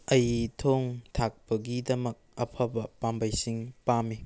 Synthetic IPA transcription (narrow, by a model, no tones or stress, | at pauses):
ɐjtʰoŋtʰak̚pɐɡidɐmɐk̚ɐpʰɐbɐpambɐjsiŋpami